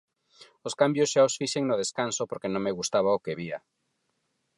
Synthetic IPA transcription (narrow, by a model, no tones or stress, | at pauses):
oskambjosʃaosfiʃeŋnoð̞eskansopoɾkenõŋmeɣust̪aβ̞aokeβia